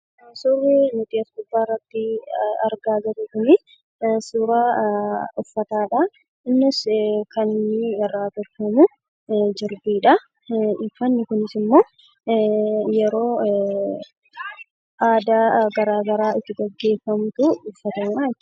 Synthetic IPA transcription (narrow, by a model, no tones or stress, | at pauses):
sʊrːɛnʊt̪ʼiɐsɡʊbːaːrːɐt̪ːɪɐ̰ɾɡaːd͡ʒɐɾʊkʊnɪ | sʊɾaː | ʊfːɐt̪aːᶑɐ | ɪnːɪskɐnɪnːɪrːaːbɐkːɐmʊ | d͡ʒɪɾbiːᶑɐ | ɪfɐnːɪkʊnɪsɪmːo̞ː | jɛɾo̞ː | ʔaːd̪aːɡɐɾaːɡɐɾaːɪt̪ːɪɡɐɡːe̞ːfɐmt̪ʊʊfːɐt̪ɐna